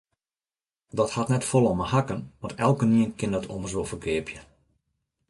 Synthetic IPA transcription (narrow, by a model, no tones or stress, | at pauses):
dɔthatnɛtfolˠɔməhakənʋɔtɛlˠkəniənkɪndɔtʰo̰mərzoːfəkʰɪəpʰjə